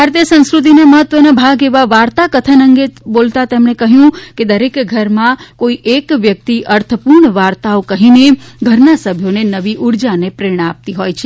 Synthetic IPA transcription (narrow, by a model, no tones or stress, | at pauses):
bʱaɾt̪ijəsə̃ñskɾut̪̬inaməɦət̪ːʋənabʱaɡeʋaʋaɾt̪akət̪ʰənəŋɡebolt̪at̪emɳekəɦjũked̪əɾekɡʱəɾmãkoiʔekʋjək̚t̪iʔəɾt̪ʰəpuɾɳʋaɾt̪aokəɦineɡʱəɾnasəbʱjonenəʋiʔuɾd͡ʒanepɾeɳ̃əap̚t̪iɦojt͡ʃʰe